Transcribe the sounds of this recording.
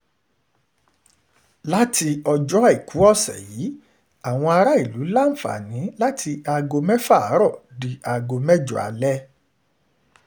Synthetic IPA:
la˦ti˧ɔ˧d͡ʒɔ˦a˨i˨ku˨˦ɔ˦˨sɛ̰˨ji˨˦ | a˦˨w̃ɔ̃˧a˧ɾa˦i˦˨lu˨˦la˦n̩˨fa̰˨nĩ˨˦la˦tʰi˧a˧ɡo˧mɛ̃˦fa˦˨a˨˦ɾɔ˦˨di˨a˨ɡo˧mɛ˦d͡ʒɔ̰˨a̰˨˦lɛ˦

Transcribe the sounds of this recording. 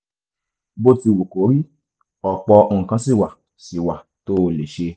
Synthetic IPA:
bo˧ti˧˨wu˨ko˨˦ɾi˦ | ɔ˨k͡pɔ˧õ˧˨kã˧si˦˨wa˨ | si˨wa˨ | to˦o˧le˨ʃe˧

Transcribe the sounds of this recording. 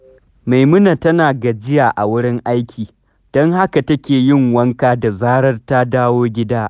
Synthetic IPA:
ma˨jmʊ˦na˨tɐ˦naː˨ɡɐ˨d͡ʒɪ˦jaː˨ʔa˨wʊ˦ɽɪ˦ŋʔa˦jkʲʰiː˨ | d̥ɔ˦ŋha˦ka˨tɐ˦kʲeː˨jɪ˦˨ŋwɐ˦ŋkaː˦da˨zaː˦ɾɐ˦rta˦daː˦woː˦ɡʲɪ˦daː˦ʔ

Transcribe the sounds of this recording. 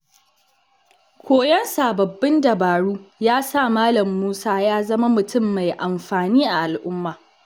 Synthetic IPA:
kʷʰoː˦jɐ˦nsaː˨bɐ˨bːɪ˦ndɐ˨baː˨ɽuː˦jaː˦sa˦˨maː˦lɐ˨mːuː˦saː˦jaː˦zɐ˦ma˦mʊ˨tʊ˦˨mːa˨jʔa˨mɸaː˨niː˦ʔa˨ʔa˨lʔʊ˦mːaː˨

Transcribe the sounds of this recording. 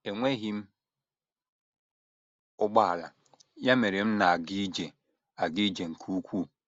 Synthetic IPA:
e˨ŋʷe˦ɦi˦m̩˦ | ʊ˦ɡ͡ba˦˨la̰˨ | ja˦me˨ɾe˨m̩˦na˨a˨ɡi˦d͡ʒe˨ | a˨ɡi˦d͡ʒe˨ŋ̩˨kʰu˦kʷu˦˨

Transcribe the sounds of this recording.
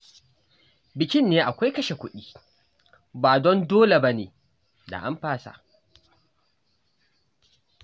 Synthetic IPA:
bɪ˨kʲɪ˦nːeː˦ʔa˨kʷa˦jkɐ˦ʃe˨kʷʊ˦ɗiː˦ | baː˨dɔ˦ndoː˦le˨ba˦nḛː˨ | da̰˨ʔa˦mɸaː˦sa̰˨ʔ

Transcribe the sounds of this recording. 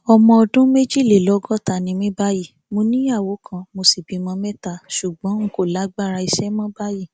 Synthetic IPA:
ɔ˧mɔ̃˧ɔ˧dũ˦me˦d͡ʒi˦˨le˨lɔ˨˦ɡɔ˦˨ta˨nĩ˧mĩ˦ba˦ji˦˨ | mo˧nĩ˦a˦˨wo˨˦kʰã˧mo˧si˦˨bi˨˧mɔ̃˧mɛ˦ta˦˨ʃu˨ɡ͡bɔ̃˨˦ŋ̩˨˦ko˦˨la˨˦ɡ͡ba˦˨ɾa˧i˧ʃɛ˦mɔ̃˦ba˦ji˦˨

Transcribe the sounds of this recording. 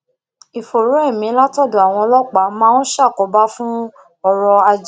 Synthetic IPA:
i˨fo˨ɾo˨˦ɛ˦˨mĩ˨˦la˦tɔ˦˨do˨a˨w̃ɔ̃˧lɔ˦k͡pa˨˦mãː˦no˦ʃa˦˨kɔ˨˦ba˦fũ˦ | ɔ˧ɾɔ˧a˧d͡ʒ

